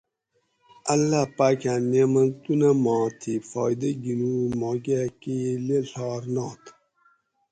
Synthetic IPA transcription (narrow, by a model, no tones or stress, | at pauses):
ɐlːaːpaːkãːnemɐnt̪unamɑ̃ːt̪ʰifɔːjd̪ɐɡinuːmoːɡakileɬɑːɾnɑːt̪